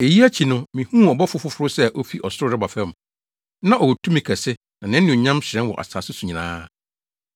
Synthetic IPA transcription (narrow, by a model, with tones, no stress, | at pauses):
e˨ji˦æ˦t͡ɕʰi˨nʊ̃˦mĩ˨hũ˦ɔ˨bɔ˦fʊ˦fʊ˦fʊ˦ɾʊ˦sɛ˦ʔo˦fi˦ʔɔ˨sʊ˦ɾʊ˦ɾɪ˦ba˨fɛ˦m˨ | nã˦ʔɔ˨o˨tʰũ˦mĩ˨kʰæ˨sɪ˦ | nã˨nɪ̃˦nɪ̃˨ɲã˦mɕɪɾɛ̃˦nwɔ̰˨ʔa̰˨saː˨sʊ˦su˨ɲĩ˨nã̰ː˦